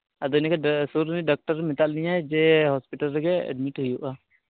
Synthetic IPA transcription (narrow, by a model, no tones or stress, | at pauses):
əd̪ɔnkesuɾniɖɔk̚ʈəɾmɪt̪alnijad͡ʒeɦɔspiʈəlɡeɛ̰ɖmiʈɦujuʔa